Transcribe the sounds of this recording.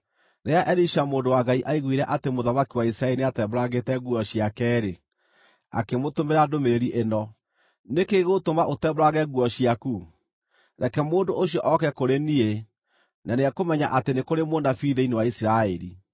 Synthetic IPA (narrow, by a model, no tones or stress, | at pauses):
neaʔɛɾiʃamoːndowaɡaiʔaiɣwiɾɛʔatemoðamakiwaisɾaɛɾineatɛboɾaɣetɛɣuɔɕiakɛːɾe | a̰kemotomeɾadomeɾeɾiʔenɔ | nekeɣotomaʔotɛbɾaɣɛɣuɔɕiaku | ɾɛkɛmoːndoʔoɕijɔʔɔkɛkoɾenie | nʔaneɛkomɛɲaʔatenekoɾemoːndafiːðeinewaisiɾaɛɾḭ